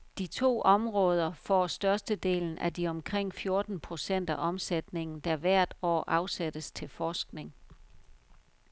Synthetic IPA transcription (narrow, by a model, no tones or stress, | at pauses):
d̥it͡sʰo̝̰ːʔɒ̽mʁɔ̽ːð̞ˠɐfɒ̰sd̥ɶɐsd̥əd̥e̝̰ːln̩ʔædiɒ̽mkʰʁeŋ̰fjo̝ɐd̥n̩pʰʁo̝sen̰d̥æʔɒ̽msed̥ne̝ŋn̩d̥æʋæɐ̰d̥ɒ̰ːʔɑ̈ʊsæd̥əst͡sʰe̝lfɒːsɡ̥ne̝ŋ